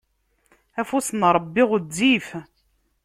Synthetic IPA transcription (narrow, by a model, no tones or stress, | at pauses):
æfusənɾˤəbːiʁəd͡zːif